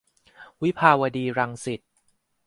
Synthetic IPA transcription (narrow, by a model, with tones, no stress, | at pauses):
wi˦˥pʰaː˧wa˧diː˧ɾa˧ŋsi˨˩t̪̚